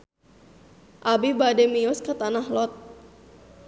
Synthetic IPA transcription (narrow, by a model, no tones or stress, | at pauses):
ʔabibadɛmiʊskət̪anahlɔt̪̚